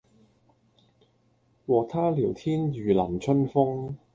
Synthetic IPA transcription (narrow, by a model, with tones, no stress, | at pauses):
wɔː˨t̪ʰaː˥liː˨˩wt̪ʰiː˥njyː˨˩lɐ˨˩mt͡ʃʰɵ˥nfʊ˥ŋ